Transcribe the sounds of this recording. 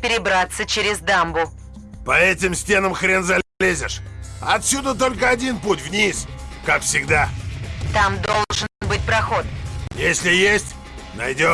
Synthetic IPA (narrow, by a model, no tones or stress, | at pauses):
pʲɪɾʲɪbɾat̪sət͡ɕɪɾʲɪzd̪ambʊ | pɐɛt̬ʲɪmsʲtʲe̞nəmxɾʲe̞nzɐllʲezʲɪʂɐt̪sʲud̪ət̪̬o̞lʲkəɐdʲinputʲvnʲiskakfsʲɪɡd̪at̪amd̪olˠʐɨnbɨt̚ʲpɾɐxo̞t̪jesʲlʲɪjesʲtʲ | nɐ̰jdʲo